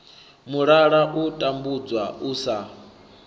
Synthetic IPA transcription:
muɺaɺaʔutʼambud͡zwausa

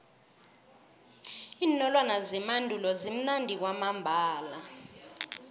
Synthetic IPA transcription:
iːnɔlwanazɛmandʱulɔzim̩nandʱik̬wamambʱaːla

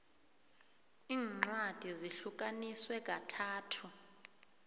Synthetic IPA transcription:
iːŋ͡ǀad̥ʱiziɬuk̬ʼaniswɛk̬ʼatʰaːtʰu

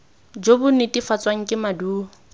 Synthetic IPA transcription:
d͡ʒobʊnɪtʼifat͡sʼwaŋ̩kʼɪmaduː

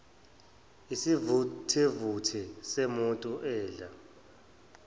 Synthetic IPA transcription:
isivtʰivutʰɛsemuntʼuʔɛːɮa

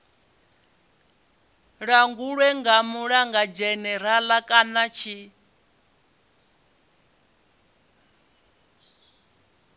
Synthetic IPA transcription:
ɺaŋɡuɺwɛŋɡamuɺaŋɡad͡ʒɛnɛɾalakʼanat͡ʃʰi

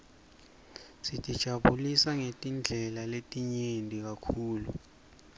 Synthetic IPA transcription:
sitʼid̥ʒ̥ʱaɓulisaŋetʼind͡ɮʱɛlaletʼiɲendʼʱik̬akʰuːlu

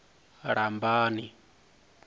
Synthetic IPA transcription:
ɺambaːni

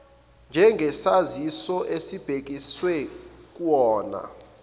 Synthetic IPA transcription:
nd͡ʒʱɛŋɡʱɛsazisɔʔesib̥ʱek̬ʼiswɛk̬ʼwɔːna̰

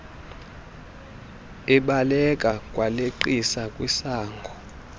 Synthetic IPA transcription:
ɛɓalɛkʼakʼwaleǃisakʼwisaːŋɡʱɔ

